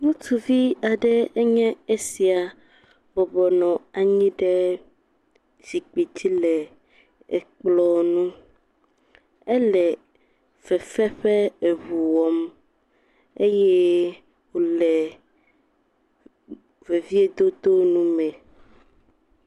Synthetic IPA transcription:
nũ˦tu˨vi˦a˨ɖɛ˦ɛ˦ɲɛ̃˦e˦si˨a˨ | bɔ˨bɔ˨nɔ̃˨a˨ɲĩ˦ɖɛ˦ | d͡ʑi˨k͡pe˨d͡ʑi˦lɛ˨ | ɛ˨k͡plɔ˦nũ˦ | e˦lɛ˨ | v̥ɛ˨fɛ˦ɸɛ˦e˨βu˨wɔ˨m | e˦jɛ˦ | wo˨lɛ˨ | ve˨vi˦e˦d̪o˦d̪o˦nũ˦mɛ̃˨

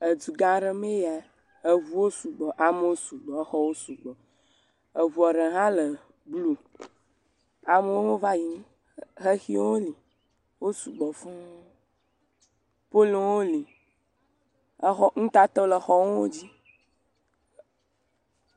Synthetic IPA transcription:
ə˨d͡ʒu˨ɡã˨˦ɖe˨me˦ja˨ | e˨βu˦wo˦su˨ɡ͡bɔ˨ʔa˨mə˦wo˦su˨ɡ͡bɔ˨˦xɔ˦wo˦su˨ɡ͡bɔ˨ | ə˨vu˨ɔ˨ɖə˨ɦã˦lə˨ | blu˦ | a˨mə˦wo˦wo˦va˦ji˨nĩ˦ | xe˦xi˦wo˦li˨ | wo˦su˨ɡ͡bɔ˨fɔ̃˦ | po˦lo˨wo˦li˨ | ə˦xɔ˦ŋ̩̃˦t̪a˦t̪ɔ˦lə˨xɔ˦wwo̰˦d͡ʑi˦

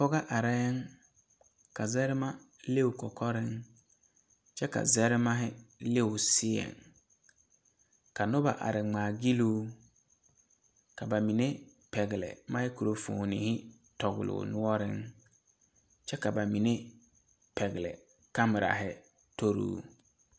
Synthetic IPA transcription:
pɔ˦ɣa˦ʔa˨ɾɛ˦ŋ | ka˨zɛ˦ɾɪ˦ma˦ | le˦ʊ˨kɔ˨kʰɔ˦ɾɪ˦ŋ | t͡ʃɛ˦ka̰˨zɛ˦ɾɪ˦ma˦ɦɪ˦le˦ʊ˨sɪ˦ɛ̰˨ŋ | ka˨nʊ˦ba̰˨ʔa̰˨ɾɪ˨ŋ͡maː˨ɡi˦luː˦ | ka˨ba˨mi˨ne˦ | pɛ˨ɣɪ˨lɛ̰˨ma˦hɪ˦ku˨ɾo˨fo̰˨ni˨hɪ˦ | tɔ˨ɣʊ˨lʊ̰ː˨nʊ˦ɔ˦ɾɪ˦ŋ | t͡ʃɛ˦ka˨ba˨mi˨ne˦ | pɛ˨ɣɪ˨lɛ̰˨ | ka˦mɪ˨ɾa̰˨ɦɪ˦ | to˦ɾṵː˦

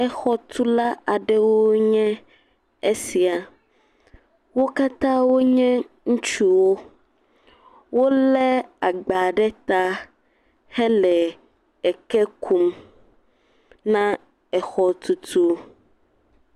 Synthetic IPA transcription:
ɛ˦xɔ˦t̪u˦la˦ʔa˨ɖɛ˦wo˦ɲɛ̃˦ | e˦si˨a˨ | wo˦ka˦t̪ã˦wo˦ɲɛ̃˦ | ŋũ˦t͡ʃu˦wo˦ | wo˦lɛ˦a˨ɡ͡ba˨ɖɛ˦t̪a˦ | hɛ˦lɛ˨ | ɛ˨kɛ˦kʰu˦m | nã˦ | ɛ˨xɔ˨t̪u˨t̪ʰu˦

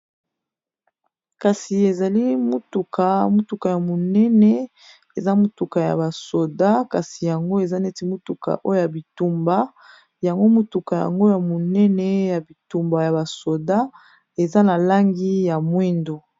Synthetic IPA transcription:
ka˨si˨e˨za˨li˦mo˦tu˨kʰa˨mo˦tu˨ka˨ja˨mo˨nɛ˦nɛ˦ | e˨za˦mo˦tu˨ka˨ja̰˨ba˨so˨da˦ka˨si˨ja˨ŋɡo˦e˨za˦nɛ˦ti˦mo˦tu˨ka̰˨ʔo˦jo˦ja˨bi˨tu˨mba˦ | ja˨ŋɡo˦mu˦tu˨ka˨ja̰˨ŋɡo˦ja˨mo˨nɛ˦nɛ˦ja˨bi˨tu˨mba˨ja˨ba˨so˨da˦ | e˨za˦na˨la˦ŋɡi˦ja˨mwe˦ndo˨

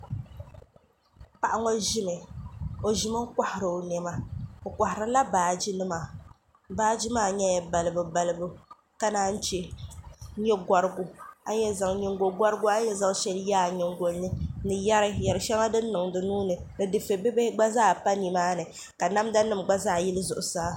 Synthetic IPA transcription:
pa˨ʔa˦ŋɔ˦ʒi˦mɨ˨o˨ʒi˨mɨ˦ka˦hɪ˨ɾɨ˨nɛ˨ma˦o˨ka˨hɪ˨ɾɨ˨la˦baː˨d͡ʒi˦nɨ˦ma˨ | baː˦d͡ʒi˦maː˦˨ɲɛ˦ja˨ba˨lɨ˨bɨ˨ba˨lɨ˨bɨ˦ | ka˦naː˦n̩˦t͡ʃɛ˦ | ɲɛ˦ɡa˨ɾɨ˦ɡʊ˦a˦ɲɛ˦za˨ŋɲɛ˨ŋɡo˨ɡʷa˦ɾɨ˦ɡʊ˦a˦ɲɛ˦za˦ŋ˦ʃɛ˦ljaː˦˨ɲɛ˨ŋɡo˨lnɨ˦nɨ˨ja˦ɾɨ˦jɛ˨ɾɨ˨˦ʃɛ˦ŋa˦dɨ˦nː˦ɨ˨ŋdɨ˨nuː˦nɨ˨ | nɨ˨dɨ˨fe˨bi˦be˦ɡ͡ba˦zaː˦˨pa˦ni˨maː˦nɨ˨ | ka˨na˦mda˦nɨ˦˨mɡ͡ba˦zaː˦˨ji˦lɨ˦zʊ˨ʔʊ˨saː˦

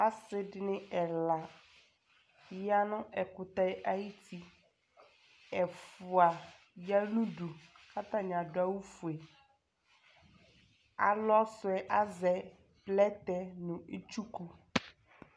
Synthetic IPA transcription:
a˦sɪ˦dɪ˨nɪ̃˦ɛ˨la˨˦ | ja˦nʊ̃˦ʔɛ˨kʊ˨t̪a˦ɛ˦ʔa˦ji˦tʰi˦ | ɛ˨fʊ˨a˨ | ja˦nũ˦du˨ | kʰa˦t̪a˨ɲ˨ã˨dʊ˨a˦wu˦fu˨e˨ | a̰˨lɔ˦sʊ˨ɛ˦ʔa˦zɛ˨ | plɛ˦t̪ɛ˦nʊ̃˨e˦t͡ʃu˦ku˦

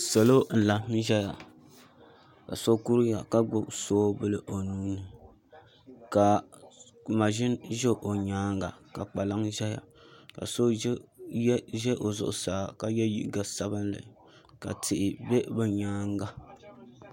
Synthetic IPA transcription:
sɛ˨lo˦n̩˨la˨˦ʒɛ˦ja̰˨ | ka̰˨so˦ku˦ɾja˨ka˦ɡ͡bʊ˦soː˦bɨ˦lɨ˦ʔo˨nuː˦nɨ˨ | ka˨ | ma˨ʒɪ˦nʒɛ˦ʔo˨ɲaː˦ŋɡa̰˨ka˨k͡pa˨la˦ŋʒɛ˦ja̰˨ka̰˨so˦ | ʒɛ˦ʔo˨zʊ̰˦ʔʊ̰˦saː˨˦ka˦jɛ˦jḭ˦˨˦ɡa˨sa˦bɨ˦nla̰˨ | ka̰˨tʰɪ˨ʔɪ˨be˦bɨ˨ɲaː˦ŋ˦ɡa˦

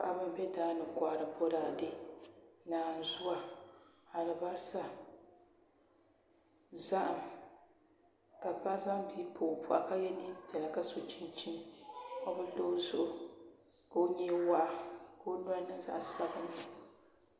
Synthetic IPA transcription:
ka˦˨ʔa˦ba˦m˦bɛ˦daː˦nɨ˨kʷaː˨ɾɨ˨bɔ˦ɾaː˨dɨ˦ | naː˨n˨zʊ˦a˦ | a˨lɨ˨ba˦ɾsa˦ | za˦ʔa˨m | ka˨pa˦za˦ŋbi˦pʰo˨pu˨ʔa̰˨ka˦jɛ˦ni˦tɛ˨la˨ka˦so˨t͡ʃi˦nt͡ʃi˦n˦o˦bɨ˦do˦zʊ˦ʔʊ˨ | ka˨o˦ɲɛ˦wa˦ʔa˦ko˦o˦n˦a˦nɨ˦za̰˦˨sa˦bɨ˦n˨

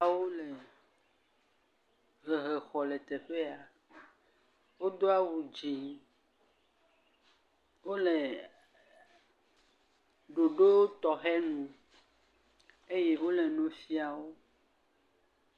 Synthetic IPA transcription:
a˨wo˦le˨ | ɣe˨ɦe˨xɔ˨le˨t̪e˨ɸe˦a˨ | wo˦d̪o˦a˦wu˨d͡ʒi˨ | wo˦le˨ | ɖo˨ɖo˦t̪ɔ˨xɛ˦nũ˨ | e˦je˦wo˦le˨nũ˨fi˦a˨wo˦

